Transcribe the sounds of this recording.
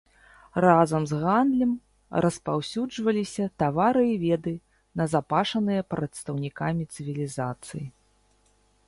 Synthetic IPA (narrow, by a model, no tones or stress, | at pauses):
razɐmzɣand̪lʲɐm | rɐspawsʲud͡ʐvɐlʲisʲɐt̪avaɾɨivʲɛd̪ɨ | nɐzapaʂɐnɨjɐpɾɐt̪st̪ɐwnʲikamʲit̪sɨvʲilʲizat̪sɨji